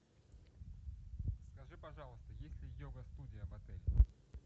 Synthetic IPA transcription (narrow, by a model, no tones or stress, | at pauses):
skaʐɨpaʐalˠəst̪əjesʲlʲɪjɔɡɐst̪ud̪ʲɪjɐvat̪ɛlʲɛ